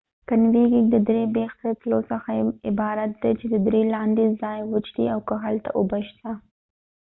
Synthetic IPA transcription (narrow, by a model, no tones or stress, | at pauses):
kənwiɡid̪əd̪ɾebext̪ət̪losəxaɪbɑɾat̪̚d̪at͡ʃed̪əd̪ɾelɑnd̪ezɑjwət͡ʃɽḭawkəɦalt̪a̰ʔʊbaʃt̪a